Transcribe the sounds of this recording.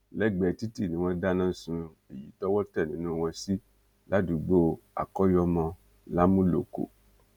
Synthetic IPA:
lɛ˦ɡ͡bɛ˨ti˦ti˦˨nĩ˨˦w̃ɔ̃˧da˦nãː˦˨sũ˧ | e˨ji˨˦tɔ˦wɔ˦tɛ˦˨nĩ˨˦nũ˦w̃ɔ̃˧si˦ | la˦du˨ɡ͡bo˦a̰˨kɔ˦jɔ˧mã˧ | la˦mũ˦lo̰˨ko̰˨

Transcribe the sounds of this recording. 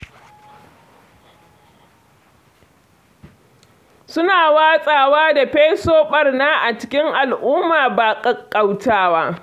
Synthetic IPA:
sʊ˦naː˨waː˦sʼaː˨waː˦da˨ɸe˦soː˦ɓɐ˨rnaː˦ʔa˨t͡ʃɪ̥˦kʲɪ˦ŋʔa˨lʔʊː˦mːaː˨baː˨kʼɐ˦kʼːa˨wtaː˦waː˦

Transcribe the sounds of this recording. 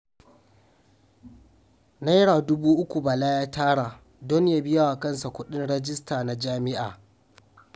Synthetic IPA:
na˦jɽaː˨dʊ˦buː˦ʔʊ˦kʷu˨ba˨laː˦jaː˦tʰaː˦ɽaː˨ | dɔ˦n˦jaː˦bɪ˦ja˦wa˨kɐ˦nsa˨kʷʊ˦ɗɪ˦nɽɛ˦d͡ʒɪ˦staː˨na˨d͡ʒaː˦mɪ˦ʔaː˨

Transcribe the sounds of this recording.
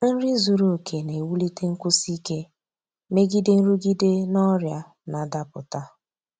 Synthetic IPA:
n̩˦ɾɪ˦zu˨ɾo˨kʰe˨ne˨wu˦li˦te˦ŋ̩˦kʊ˦si˦ke˦ | me˦ɡi˦de˦n̩˦ɾu˦ɡi˦de˦nɔ˦ɾja˨ | na˨da˦pʊ̰˨ta˦

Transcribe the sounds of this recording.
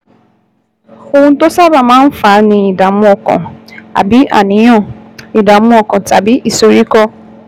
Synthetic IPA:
o˧wũ˧n̩˦to˦sa˦ba˦˨mãː˦n̩˦fa˨˦nĩ˧i˨da˨˦mũ˦ɔ˧kɔ̰̃˨a̰˨bi˨˦ʔa̰˦˨nĩ˨˦j̃ɔ̃˦˨i˨da˨˦mũ˦ɔ˦˧kɔ̃˨ta˨bi˨˦ʔi˦˨so˨ɾi˦kɔ˦

